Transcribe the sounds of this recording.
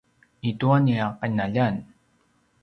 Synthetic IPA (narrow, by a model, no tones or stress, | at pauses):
ituaniaqanaʎan